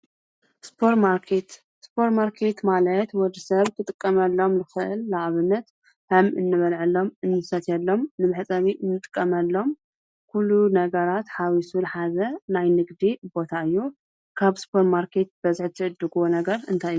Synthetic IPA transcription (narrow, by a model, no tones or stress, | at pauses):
spʰoɾt̪maɾkʰet̪ | spʰo̞ɾt̪maɾkʰe̞t̪malɐt̪wɔd̪isɐβk̪ʰɨt̪ʼɨkʼːɐmɐlːo̞mlɨxɨʔɨ̰lːaʔβɨnːɐt̪ | hɐmʔɨnːɨβɐlʕɨlːo̞mɨnːɨsɐt̪ʰjɛlːo̞mnɨmɨħt͡sʼɐβiʔɨnːɨt̪ʼɨ̥kʼːɐmɐlːo̞m | kʰulːunɐɡɐɾat̪ħawisulħazɐnajnɨɡd̪ibo̞t̪ʰaɨjːu | kʰaβspʰoɾmaɾkʰe̞t̪̚b̥ɐzɨħt̪ʰɨʔɨd̪ːɨɡonɐɡɐɾɨnt̪ʰajɨju